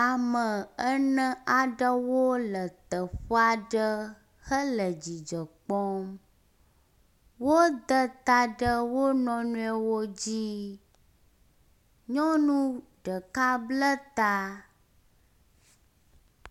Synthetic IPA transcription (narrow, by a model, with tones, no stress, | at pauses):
a˨mə˨ə˦nə̃˦a˨ɖə˦wo˦lə˨t̪ə˨ɸɔ˦a˨ɖə˦ | hə˦lə˨d͡ʑi˨d͡ʒə˨k͡pɔ˦m | wo˦d̪ə˦t̪a˨ɖə˦wo˦nɔ̃˦nũ˦ɛ˨wo˦d͡ʑi˦ | ɲɔ̃˦nũ˦ | ɖə˨ka˦blə˦t̪a˦